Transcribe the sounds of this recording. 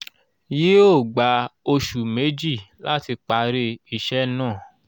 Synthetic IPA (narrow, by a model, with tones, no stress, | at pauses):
ji˨˦o˦˨ɡ͡ba˨˦o˧ʃu˨me˨˦d͡ʒi˦˨la˦ti˧k͡pa˧ɾe˧i˦˨ʃɛ˦nãː˦˨